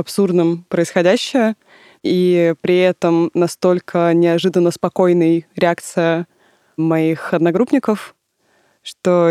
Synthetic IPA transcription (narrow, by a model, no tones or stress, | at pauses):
ɐpsurd̪nəmpɾəɪsxɐdʲæɕːɪjə | ipɾʲɪɛt̪əmnɐst̪o̞lʲkʰənʲɪɐʐɨd̪ənːəspɐko̞jnɨjɾʲɪak̚t̪sɨjə | mɐixɐd̪nɐɡɾupnʲɪkəf | ʂt̪o